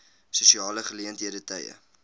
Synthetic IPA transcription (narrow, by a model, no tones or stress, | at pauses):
susiɑːləχəliəntɦiədətəjə̰